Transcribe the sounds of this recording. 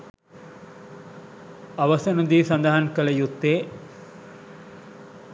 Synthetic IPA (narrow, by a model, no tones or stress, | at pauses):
aʋɐsɐnud̪iːsɐnd̪aɦankələjut̪ːeː